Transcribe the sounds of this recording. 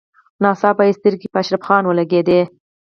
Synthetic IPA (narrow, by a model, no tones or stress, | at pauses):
nɑsɑpaist̪ɪɾkipəaʃɾafxɑnwəlaɡed̪e